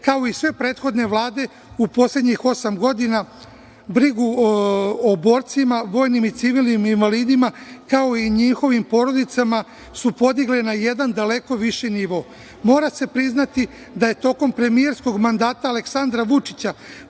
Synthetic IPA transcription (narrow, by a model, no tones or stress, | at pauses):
kao̞isʋe̞pɾe̞ːt̪xo̞d̪ne̞ʋlˠaːd̪e̞ | upo̞sle̞d̪ɲixo̞samɡo̞d̪ina | bɾiɡu | obo̞ːɾt̪simaʋo̞ːjnimit̪siʋilniminʋaliːd̪imakao̞iɲixo̞ʋimpo̞ɾo̞d̪it̪sama | supo̞d̪iɡlenajed̪and̪ale̞ko̞ʋiʃeniʋo̞ː | mo̞ːɾase̞pɾiznat̪i | d̪aje̞t̪o̞ko̞mpɾe̞mije̞ɾsko̞ɡmand̪aːt̪aːle̞ksand̪ɾaʋut͡ʂit͡ɕa